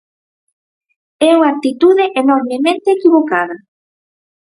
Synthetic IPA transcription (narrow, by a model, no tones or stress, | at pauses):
ɛuŋak̚t̪it̪uðeʔenoɾmemẽnt̪eːkiβokaðɐ